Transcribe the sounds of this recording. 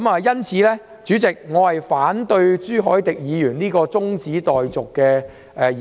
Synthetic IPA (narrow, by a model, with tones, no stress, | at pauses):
mɐː˨jɐ˥nt͡sʰiː˨˥lɛː˥ | t͡ʃyː˨˥t͡sɪ˨k̚ŋɔː˨˧hɐ˨jfaː˨˥nt̪ɵ˧ɥt͡ʃyː˥ɦɔː˨˥jt̪ɪ˨k̚jiː˨˧jyː˨˩nniː˥kɔː˧t͡sʊ˥ŋt͡siː˨˥t̪ɔː˨jt͡sʊ˨kːɛː˧ | ʔɛː˨